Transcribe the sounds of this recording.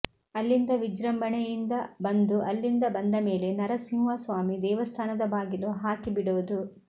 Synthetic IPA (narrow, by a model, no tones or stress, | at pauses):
ɐlːind̪ɐʋid͡ʒɾɐmbɐɳɛjind̪ɐbɐnd̪uʔɐlːind̪ɐbɐnd̪ɐme̞ːle̞nɐɾɐsiŋʋaːsʋaːmid̪ɛːʋɐst̪ʰaːnɐd̪ɐbaːɡiluɦaːkibiɽoːd̪u